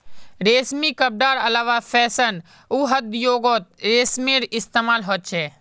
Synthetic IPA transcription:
ɾeːsmikəp̚ɖaːɾəlaːʋapʰɛːsən | uːɦəd̪joːɡoːt̪̚ɾeːsmeɾɪst̪eːmaːlɦoːt̪̚t͡ʃʰeː

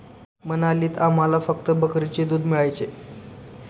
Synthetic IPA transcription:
mənaliːt̪am̤alafək̚t̪əbəkɾit͡ɕed̪uːd̪miɭajt͡se

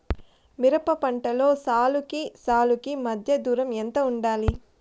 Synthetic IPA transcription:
miɾɐpɐpɐɳʈɐlo̞ːsaːlukisaːlukimɐd̪ʱjɐd̪uːɾɐment̪ɐuɳɖaːli

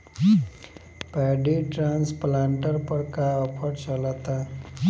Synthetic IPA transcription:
pɛɖiʈɾãnsplãɳʈəɾpəɽkaəpʰəɽt͡ɕəlat̪a

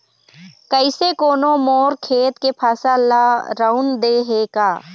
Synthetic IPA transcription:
kəɪsekoːnõmoːɾkʰeːt̪kepʰaːsalaɾaʊnd̪eɦekaː

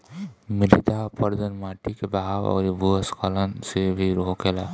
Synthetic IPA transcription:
mɪɾit̪apəɾd̪ənmaːʈikebaɦawɔ̰ːɾibuəskalənsebʱiɾokela

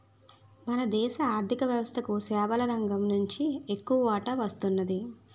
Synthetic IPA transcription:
mɐnɐd̪ɛːʃɐaːɾd̪ʱikɐʋjɐʋɐst̪ʰɐkusɛːʋɐlɐɾɐŋɡɐmnuɲt͡ʃiekːuʋɐʋaːʈɐʋɐst̪unːɐd̪i

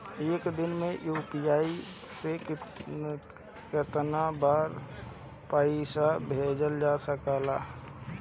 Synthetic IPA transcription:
eːkd̪ɪnmẽjuːpiaːi | sek | kɪt̪nabaːɾ | paɪsabʱed͡ʒəld͡ʒasəkala

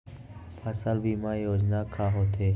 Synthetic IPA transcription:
pʰaːsəlbʱiːmãːjoːd͡ʒnaːkʰaːɦoːt̪ʰeː

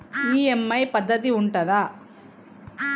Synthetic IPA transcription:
iːemːɐjpɐd̪ːɐt̪̬iuɳʈɐðaː

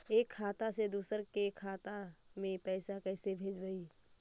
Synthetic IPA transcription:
eːkʰːaːt̪ased̪uːsəɾkekʰːaːt̪amẽpɛːsakɛːsebʱeːd͡ʒbəi

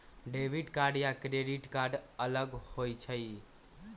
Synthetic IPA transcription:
ɖeʋʱiɖkaɾɖjakɾeɖiʈkaɾɖələɡhojt͡ʃʰəj

